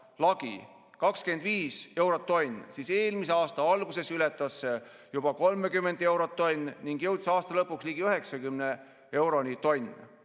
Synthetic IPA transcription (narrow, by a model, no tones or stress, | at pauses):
lɑɡ̥ḭ | kɑkske̞nd̪viːse̞wɾot̪ːo̞nʲːsiːse̞ːlmiseɑːst̪ɑɑlɡ̥use̞sylet̪ːˑɑsːe | jub̥ɑko̞lmekymːe̞nd̪e̞wɾot̪ːo̞nʲːniŋɡjɤ̞wd̪̥sɑːst̪ɑlɤpːˑuksliːɡ̥iyɦe̞ksɑkymne | e̞wɾo̞nit̪o̞nʲ